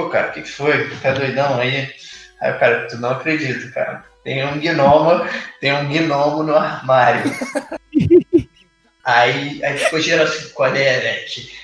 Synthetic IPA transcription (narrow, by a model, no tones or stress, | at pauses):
pokaɾɐʊkɪkɪ̥fojt̪ẽd̪ojd̪ɐ̃w̃aia̰kaɾɐt̪unɐ̃w̃akɾed͡ʒit̪ʊka̰ɾɐ̰t̪ẽj̃ũɡinõmɐt̪ẽj̃ũɡinõmɐnʊahmaɾjʊ | aiaikoʒeɾasĩkalɛlɛkɪ